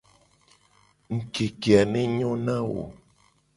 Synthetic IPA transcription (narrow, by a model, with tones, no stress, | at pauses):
ŋ̩˨ke˨ke˨a˨nɛ˦ɲɔ̃˦nã˦wo̰˨